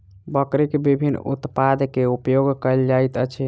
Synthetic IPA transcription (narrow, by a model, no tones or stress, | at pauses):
bəkɾekebibʱinːṵt̪pad̪keupjoɡkəld͡ʒajt̪ət͡ʃʰi